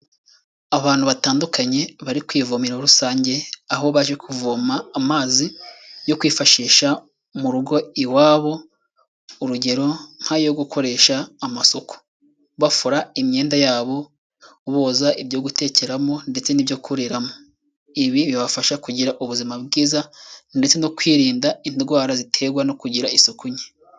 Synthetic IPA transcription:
aβaːn̥huβataːndukaɲe̞βaɾikwiːvomiɾaɾusaːɲɟe̞aɦo̞βaʒe̞kuvuːmaːmaːzijo̞kwiːfaʃiːʃa | muɾuɡo̞iwaːβo̞ | uɾuɟe̞ɾo̞ŋ̥hajo̞ɡukʰo̞ɾe̞ːʃaːmasoku̥ | βafuɾaimɲe̞ːndajaːβo̞ | βo̞ːzaʔibjo̞ɡute̞ːce̞ɾamo̞nde̞t͡se̞nibjo̞kʰuɾeɾamo̞ | iβiβiβafaʃakuɟiɾaʔuβuzimabɡiːzande̞t͡se̞nokwiːɾiːndainɡwaːɾazitʰe̞ɡwano̞kuɟiɾaʔisokuɲe

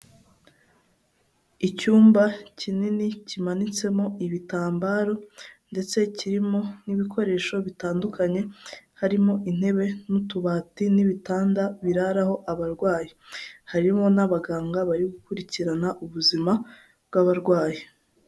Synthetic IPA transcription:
icuːmbacininicimanit͡se̞mo̞iβitaːmbaːɾo̞nde̞t͡se̞ciɾimo̞niβikʰo̞ɾe̞ːʃo̞βitaːndukaɲe̞haɾimo̞ʔin̥he̞βe̞nutuβaːtiniβitaːndaβiɾaɾaho̞ʔaβaɾɡwaːjihaɾimo̞naβaɡaːŋɡaβaɾiɡukuɾiciɾanaʔuβuzima | bɡaβaɾɡwaːji

